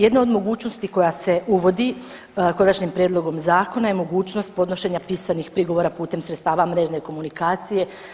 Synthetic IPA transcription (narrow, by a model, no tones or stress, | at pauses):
je̞d̪nao̞d̪mo̞ɡuːt͡ʃno̞st̪iko̞jase̞ʔuʋo̞d̪i | ko̞naʃɲimpɾjed̪lˠo̞ɡo̞mzaːko̞naje̞mo̞ɡuːt͡ʃno̞st̪̚po̞d̪no̞ʃe̞ɲapiːsanixpɾiɡo̞ʋo̞ɾapuːt̪e̞msɾet̪st̪aːʋamɾe̞ʒneko̞munikaːt̪sije̞